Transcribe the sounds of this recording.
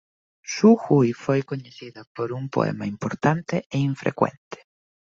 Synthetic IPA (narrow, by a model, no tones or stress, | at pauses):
suxujfojkoɲeθiðɐpoɾuŋpo̰ɛ̰mɐimpoɾt̪ant̪eeiɱfɾḛkwḛnt̪e̥